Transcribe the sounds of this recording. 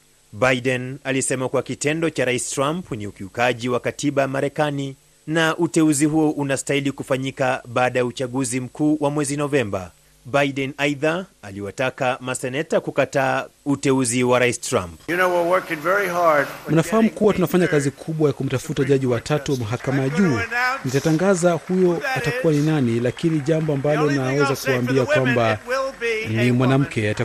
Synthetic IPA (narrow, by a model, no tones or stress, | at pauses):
bajdɛnalisɛmakuakitɛndɔt͡ʃaɾaisi̥tɾampniukiukaʄiwakatʰiɓajamaɾɛkani | naʔutɛuziɦuɔʔunastailikufaɲikaɓaːɗajaut͡ʃaɠuzim̩kuːwamwɛzinɔvɛmba̰ | bajɗɛnajðaaliwatakamasɛnɛtakukataːutɛuziwaɾaistɾa̰mpjɨnoʊwiwɜ˞kɪ̃ŋvɛɹiɦaɹdm̩nafaham̩kuwatunafaɲakazikʰuɓwajakum̩tafutaʄaʄiwatatuwmaɦakamaʄuːnitataŋɡazahujɔatakuwaninanilakiniʄambɔambalɔnawɛzakuwaːmbiakwamba | nimwanam̩kɛata